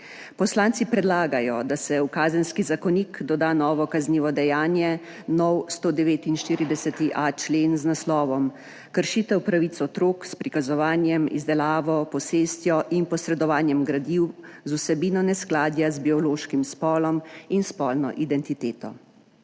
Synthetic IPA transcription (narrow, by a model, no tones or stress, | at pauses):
pɔslaːnsipɾɛd̪laːɡajɔd̪asɛwkaːzənskizakɔnikd̪ɔd̪aːnɔːʋɔkazniːʋɔd̪ɛjaːnjɛ | nɔwst̪oːd̪ɛʋeːt̪inʃt̪iːɾid̪ɛsɛt̪iʔat͡ʃleːnznaslɔːʋɔm | kəɾʃiːt̪ɛwpɾaʋit̪sɔt̪ɾoːkspɾikazɔʋaːnjɛmḭzd̪ɛlaːʋɔpɔseːst̪jɔʔinpɔsɾɛd̪ɔʋaːnjɛmɡɾad̪iwzusɛbiːnɔnɛsklaːd̪jazbiɔloːʃkimspɔːlɔminspɔːlnɔ̰ʔid̪ɛnt̪it̪eːt̪ɔ̰